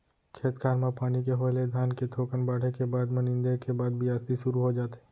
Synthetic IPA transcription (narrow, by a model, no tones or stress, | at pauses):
kʰeːt̪kʰaːɾmãpaːnikeɦoːjled̪ʱjaːnket̪ʰoːkənbaːɽ̤ekebaːd̪mɐnɪ̃nd̪ekebaːd̪bʱiaːst̪iʃʊɾuɦod͡ʒaːt̪eː